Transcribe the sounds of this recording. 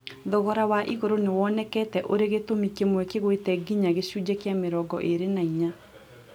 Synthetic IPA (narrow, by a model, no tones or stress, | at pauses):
ðɔɣɔɾawaʔiɣoɾonewɔnɛkɛtɛʔoɾeɣetomikemwɛkeɣwetɛɡiɲaɣeɕud͡ʑekeameɾɔɡɔʔeɾenaiɲa